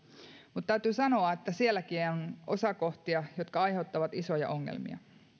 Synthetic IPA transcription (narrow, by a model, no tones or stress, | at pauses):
mut̪t̪æyt̪yːsɑno̞ɑet̪ːæsielːækionʔo̞̰sɑko̞ht̪iɑjo̞t̪kɑɑjhe̞wt̪ːɑʋɑt̪iso̞jɑ̰ʔo̞ŋːḛlmḭɑ̰